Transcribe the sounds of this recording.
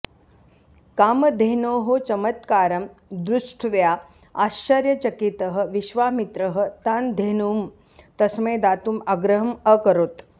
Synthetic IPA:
kaːmɐd̪ʱeɦnoːɦot͡ʃɐmət̪kaːɾɐmd̪ɾuʂʈʰʋjaː | aːʃt͡ʃɐɾjɐt͡ʃɐkit̪əɦə̆ʋiʃʋaːmit̪ɾəɦə̆t̪aːnd̪ʱeːnuːm | t̪ɐsmẽːd̪aːt̪uːmaɡɾəɦɐməkɐɾoːt̪

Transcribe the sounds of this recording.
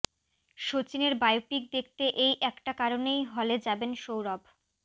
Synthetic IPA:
ʃot͡ɕineɾbajopik̚d̪ek̚ʰt̪eʔejʔɛkʈakaɾonejɦɔled͡ʑabenʃowɾɔb

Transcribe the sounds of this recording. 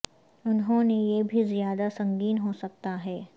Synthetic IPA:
ʊnɦõnejebʱizijaːd̪asɐ̃ŋɡiːnɦosɐk̚t̪aɦɛː

